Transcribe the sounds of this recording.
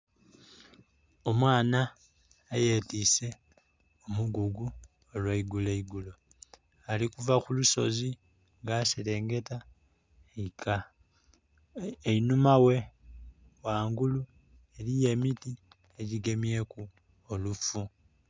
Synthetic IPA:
o̞mwaːnaː | je̞ːtise̞ | omuɡuɡu | olwaiɡuleiɡulo̞ | alikuvaxuluso̞̰zi | ŋɡasile̞ːŋɡe̞ta | ka | einumawe̞ | waːŋɡulu | e̞lije̞ːmiti | eɟiɡe̞mje̞ku | olufu

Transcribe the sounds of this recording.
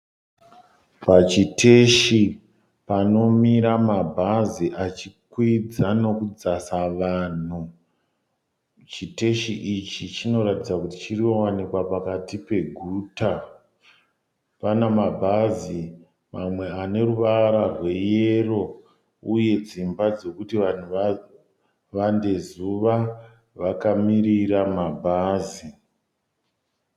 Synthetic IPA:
pat͡ʃiteʃi | pano̞miɾamabʱaziʔat͡ʃikwid͡zano̞kud͡zasaʋaːn̤u | t͡ʃiteʃiʔit͡ʃit͡ʃino̞ɾatid͡zakuti̥t͡ʃiriowanikwapakatipe̞ɡʱuːta | panamabʱazi | mamwe̞ane̞ɾuʋaɾarwe̞jee̞ro̞ | uje̞d͡zimbad͡ze̞kutiʋan̤u | ʋande̞zuʋa | ʋakamiriɾamabʱaːzi

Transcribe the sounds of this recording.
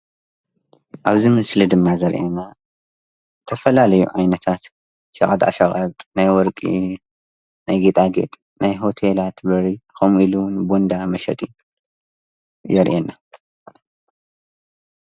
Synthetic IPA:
ʔaβzimɨslid̪ɨmːazɐɾʔena | t̪ʰɐfɐlalɐjṵʕajnɐt̪ʰat̪ | ʃɐχʼad̪ʼa̰ʃɐχʼɐt̪ʼnajwɔɾkʼi | najɡet̪ʼaɡḛt̪ʼ | najɦo̞t̪ʰelat̪bɐɾixomilunbond̪amɐʃɐ̰t̪ʼi | jɛɾʔenːa

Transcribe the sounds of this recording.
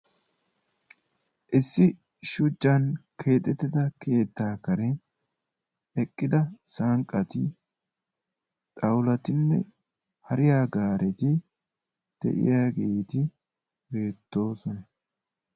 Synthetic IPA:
ʔɪsːɪ | ʃʊd͡ʒːɐnkʰe̞ːt̪ʼːɛt̪ːɪd̪ɐkʰe̞ːt̪ːaːkɐɾɛ | ɛkʼːɪd̪ɐsɐŋkʼːɐt̪ɪ | t̪ʼɐwlɐt̪ɪnːɛ̰ | hɐɾɪjaːɡaːɾʔɛt̪ɪ | d̪̥ɛ̰ʔɪ̰jaːɡiːt̪ɪ | be̞ːt̪ːo̞ːsɔnɐ

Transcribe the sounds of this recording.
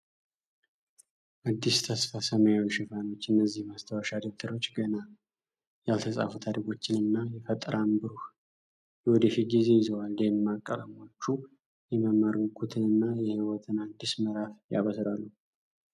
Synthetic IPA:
ʔad̪ːist̪ʰəsfasəmajwnʃɪfano̞t͡ʃːɨnːəzːihmast̪ʰəwaʃad̪ek̚t̪ʰəɾo̞t͡ʃːɡəna | jalt̪ʰəsʼa̰fut̪ʰad̪əɡo̞t͡ʃːɪnɨnːajɛfət̪ʼɾʔambɨɾuh | jɛwɔd̪əfiɡize̞jɪzəwald̪ejmːakʼːələmo̞t͡ʃːu | jɛməmːəɾɡukʰut̪ʰɨnɨnːajɛhiwɔt̪ʰɨnad̪ːisməɾafja̰βəsɾalːu

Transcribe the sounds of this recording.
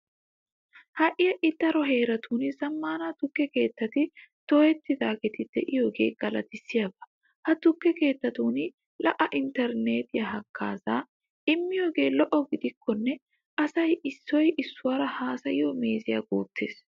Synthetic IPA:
hɐʔɪjɐʔɪt̪ːɐɾɔɦe̞ːɾɐt̪ʰuːnɪzɐmːaːnaːt̪ʊkːɛke̞ːt̪ːɐt̪ɪt̪ɔjɛt̪ːɪd̪aːɡɛt̪ɪd̪̥ɛ̰ʔɪjoːɡe̞ːɡ̥ɐlɐt̪ɪsːɪjabɐ̥ | hɐt̪ʊkːɛke̞ːt̪ːɐt̪uːnɪ | lɐʔɐʔɪnt̪ɛɾneːt̪ɪjɐɦɐkʰːaːzaː | ʔɪmːɪjoːɡe̞ːlɔʔɔɡɪd̪ɪkʰːɔnːɛ | ʔɐsɐjʔɪsːɔjʔɪsːʊwɐɾɐhaːsɐjɪoːmeːzɪja̰ɡuːt̪ːeːs

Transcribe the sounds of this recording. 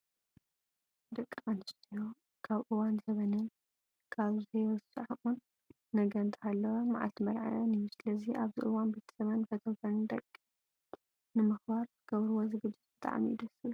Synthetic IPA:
d̪ɐkʼːimanɨst̪ʰijo | kʰaβʔɨwanzɐβɐnɨn | kʰaβzɐjɐzɨsɨʕʔunː | ɐɡɐnt̪ʰhalːɐwomaʕa̰lt̪ʰmɐɾʕa̰janijusɨlɐziʔaβzḭʔɨwanbet̪ʰɐ̥sɐβanfɐt̪ʰɐwt̪ʰɐnɨnd̪ɐkʼːi | nɨmɨxbaɾzɨɡɐβɾuwozɨɡɨd͡ʒːɪt̪̚bɨt̪ʼa̰ʕ̰mijḭd̪ɐsɨβ

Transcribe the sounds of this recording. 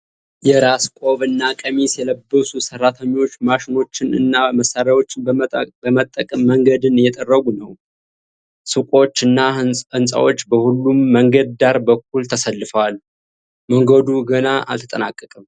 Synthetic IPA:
jɛɾaskʷʼo̞βɨnːakʼəmisjɛləbːəsusərːat̪ʰəɲːwo̞t͡ʃːmaʃɪno̞t͡ʃːɪnɨ̰nːaməsaɾjawo̞t͡ʃːɪnbəmət̪ʼːəkʼəmːəŋɡəd̪ɨnjɛt̪ʼərːəɡunəw | sɨkʼo̞t͡ʃːɨnːaɨnsʼa̰wo̞t͡ʃːbəhulːumːəŋɡəd̪̚d̪aɾbəkːult̪ʰəsəlːɨfəwal | məŋɡəd̪uɡənaʔa̰lt̪ʰə̥t̪ʼənakʼːəkʼəm

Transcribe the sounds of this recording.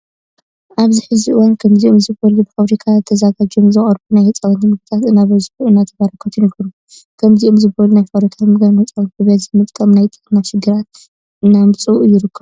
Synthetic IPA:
ʔaβzɨħɨziɨwankʰɐmziʔomzɨbɐlubɨfaβɾikʰazɨt̪ʰːɐzaɡad͡ʒomzɨχʼɐɾbunajhɨt͡sʼawɐnt̪imɨɡɨt̪ʰat̪ɨnːaβɐzħuʔɨnːat̪ʰɐβaɾɐkʰːɐt̪ʰɨnkʰɨɾu | kʰɐmziʔomzɨbɐlunajfɐβɾikʰamɨɡanɐt͡sʼɐwɨnbɨβet̪zɨmɨt̪ʼkʼːɐmnajt̪ʼɨnːaʃɪɡɨɾat̪̚ | ɨnːamɨt͡sʼɨwuʔjɪɾɨkːɐβ

